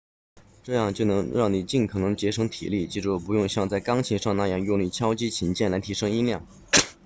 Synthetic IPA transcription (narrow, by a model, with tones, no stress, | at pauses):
ʈ͡ʂɤ˥˧jɑ˥˩˧ŋt͡ɕjo˥˩ʊnɤ˧˥ŋɻɑ˥˩ŋni˨˩t͡ɕi˥˩nkʰɤ˨˩nɤ˧˥ŋt͡ɕjɛ˧˥ʂɤ˧˥ŋt̪ʰḭ˨˩li˥˩t͡ɕi˧˥ʈ͡ʂu˥˩pu˧˥jʊ˥˧ŋɕjɑ˥˧ŋt͡sa˥˩ɪkɑ˥ŋt͡ɕʰi˧˥nʂɑ˥˧ŋna˥˧jɑ˥˩ŋjʊ˥˧ŋly˥˩t͡ɕʰjɑ˥ʊt͡ɕi˥t͡ɕʰi˧˥nt͡ɕjɛ˥˩nla˧˥ɪt̪ʰi˧˥ʂɤ˥ŋi˥nljɑ˥˩ŋ